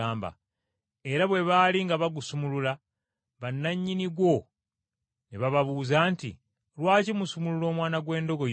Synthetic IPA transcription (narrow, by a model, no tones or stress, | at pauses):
aːmba̰ | e̞ɾaβwe̞βaːliŋɡaβaɡusumulula | βanːaɲːiniɡwo̞ | neβaβaβuːzaːntḭ | lwaːcimusumululo̞ːmwaːnaɡwe̞ːndo̞ɡo̞